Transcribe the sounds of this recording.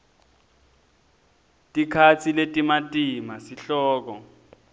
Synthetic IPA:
tʼikʰat͡sʰiletʼimatʼimasiɬɔːk̬ɔ

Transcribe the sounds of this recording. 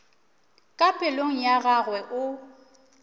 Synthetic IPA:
kʼapʼɪloŋ̩jaɣaɣwɛʔʊ

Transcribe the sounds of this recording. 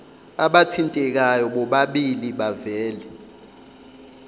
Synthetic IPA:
aɓatʰintʼɛk̬ajɔɓɔɓaɓiliɓavɛːlɛ

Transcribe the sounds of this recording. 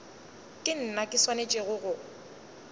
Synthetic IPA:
kʼɪn̩nakʼɪswanet͡ʃʼɪɣʊɣʊ

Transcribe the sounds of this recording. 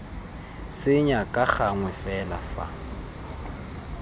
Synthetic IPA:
sɪɲakʼaχaŋwɛfɛla̰fa̰

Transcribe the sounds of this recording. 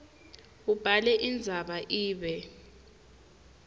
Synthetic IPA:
ub̥ʱalɛʔind͡zʱaɓaʔiːɓɛ

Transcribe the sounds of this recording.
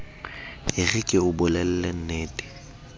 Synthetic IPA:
ɪrikʼɪʊbʊlɛl̩len̩neːtʼɪ̥

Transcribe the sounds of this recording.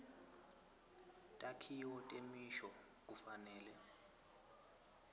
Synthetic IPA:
tʼakʰiɔtʼemiʃɔ | k̬ʼufanɛːlɛ

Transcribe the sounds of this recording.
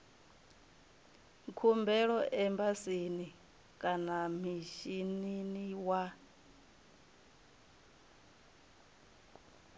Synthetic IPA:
kʰumbɛɺɔʔɛmbasini | kʼanamiʃininiwa

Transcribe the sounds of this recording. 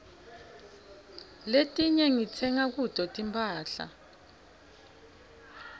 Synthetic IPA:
letʼiɲɛŋit͡sʰɛŋak̬ud̥ʱʼɔtʼimpʼaːɬa̰

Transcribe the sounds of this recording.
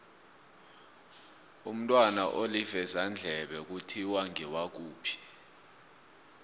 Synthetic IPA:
um̩tʼwanaʔolivɛzand͡ɮʱɛɓɛk̬utʰiwaŋɛwak̬uːpʰi̥

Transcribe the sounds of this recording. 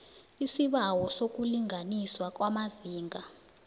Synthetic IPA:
isiɓawɔsok̬ʼuliŋʱaniswak̬ʼwamaziːŋʱa

